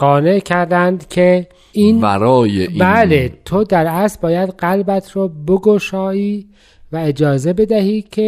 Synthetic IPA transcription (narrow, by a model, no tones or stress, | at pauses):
ɢɒːne̞ʔcʰæɾd̪ænd̪cʲʰe | iːnbæ̰ɾɒːjeʔbælet̪ʰod̪æɾæsbɒːjæd̪ɢælbæt̪ʰɾoboɡoʃɒːiː | væed͡ʒɒːze̞be̞d̪æhiːcʲʰe